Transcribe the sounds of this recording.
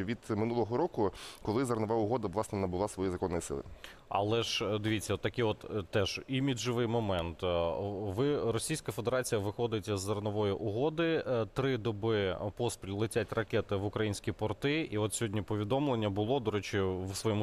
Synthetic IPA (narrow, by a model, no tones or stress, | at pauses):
ʋʲid̪mɪnulˠɔɦɔɾɔkʊkɔlˠɪzɐrnɔʋaʊɦɔd̪ɐʋlˠɑsnɛnɐbʊlˠɑsʋɔjizɐkɔnːɔjisɪ̰lˠɪ̰ | ɐ̰lˠɛʒd̪ɪʋʲit͡sʲːɐt̪ːɐkɪjɔt̪t̪ːɛʒ̥imʲid͡ʒɪʋɪjmɔmɛnt̪ʋɪrɔsʲijsʲkɐfed̪eɾɑt͡sʲijɐʋɪxɔd̪ɪtʲɐzːɐrnɔʋɔjiʔʊɦɔd̪ɪt̪ɾɪd̪ɔbɪpɔspʲilʲlˠɪtʲatʲrɐkɛt̪ɪʋʊkɾɐjinʲsʲkʲipɔrt̪ɪiɔt̪sʲɦɔdʲnʲipɔʋʲid̪ɔmlˠenʲːɐbʊlˠɔd̪ɔɾɛt͡ʃɪwsʋɔjɛmu